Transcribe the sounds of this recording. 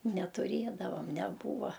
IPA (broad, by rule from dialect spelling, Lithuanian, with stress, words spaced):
nʲɛtʊˈrʲeːdɐʋɐm nʲɛˈbuːʋɐ